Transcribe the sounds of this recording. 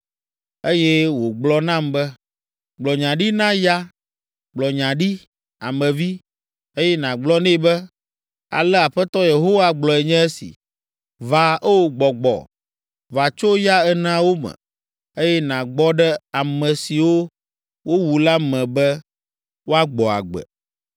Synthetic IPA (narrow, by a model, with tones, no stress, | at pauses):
e˦jɛ˦wo˨ɡ͡blɔ˦nã˦mbɛ˦ | ɡ͡blɔ˨ɲã˨ɖi˦nã˦ja˦ | ɡ͡blɔ˨ɲã˨ɖi˦ | a̰˨mɛ̃˨vi˦ | e˦jɛ˦nã˨ɡ͡blɔ˦nɛ̃˦˨˦bɛ˦ | a̰˨lɛ˦a˨ɸɛ˦t̪ɔ˦je˨ɦo˦wa˦ɡ͡blɔ˨ɛ˨ɲɛ̃˦ɛ˦sḭ˨ | va˨ʔɛ˦wo˨ɡ͡bɔ˨ɡ͡bɔ̰˨ | va˨t͡ʃo˦ja˦ɛ˦nã˦wo˦mɛ̰̃˨ | e˦jɛ˦nã˨ɡ͡bɔ˦ɖɛ˦a˨mɛ̃˨si˨wo˦ | wo˦wu˨la˦mɛ̃˨bɛ˦ | wo˦a˦ɡ͡bɔ˨a̰˨ɡ͡bɛ̰˨